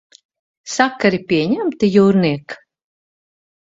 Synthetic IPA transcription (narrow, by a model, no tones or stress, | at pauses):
sakːaɾipʲiɛɲæmt̪ijuːɾniɛk